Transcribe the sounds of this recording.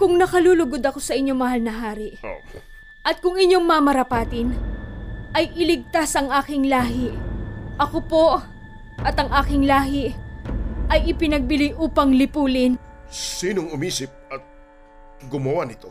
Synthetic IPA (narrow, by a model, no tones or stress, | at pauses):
kʊŋnɐkɐluːlʊɡod̪ɐko̞sɐʔɪɲːo̞mɐɦalnɐɦaːɾɪʔo̰ | ʔɐt̪̚kʊŋɪɲo̞ŋmɐmɐɾɐpaːt̪ɪn | ʔɐjʔɪlɪɡ̚t̪asʔɐŋʔaːkɪŋlaːɦɪʔʔɐkopo̞ʔ | ʔɐt̪ɐŋʔaːkɪŋlaːɦɪ | ʔɐjʔɪpɪnɐɡ̚bɪlɪjʔuːpɐŋlɪpuːlɪnsiːnoŋʊmiːsɪp̚ɐt̪̚ | ɡʊmɐwanɪt̪o̞